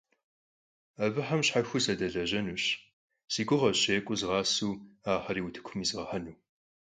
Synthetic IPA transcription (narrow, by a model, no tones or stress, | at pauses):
ɐbɨħamɕħaxʷʊsɐdɐɮɐʑɐnuːɕ | siɡʷʊʁɐɕeːkʷʼʊzʁɑːsuːaːħɐɾiːwʊtʰɨ̥kʷʰʊmiːzʁɐħɐnuː